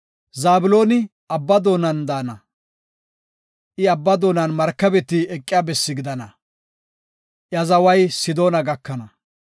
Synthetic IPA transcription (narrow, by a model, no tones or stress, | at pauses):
zaːbʊlo̞ːnɪ | ɐbːɐd̪o̞ːnɐnd̪aːnɐ | ʔɪɐbːɐd̪o̞ːnɐnmɐɾkːɐbɛt̪ːɪɛkʼːɪjaːbɛsːɪɡɪd̪ɐnɐ | ʔjɐzɐwɐjsɪd̪o̞ːnɐɡɐkːɐnɐ